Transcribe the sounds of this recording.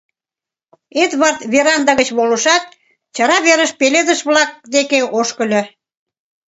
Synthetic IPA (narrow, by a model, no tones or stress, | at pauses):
et̪βɑrt̪βeɾɑnd̪ɑɣət͡ɕβoləʃɑt̪̚ | t͡ɕɑɾɑβeɾəʃpeled̪əʃβlɑk̚d̪ekeoʃkə̆lʲɤ̆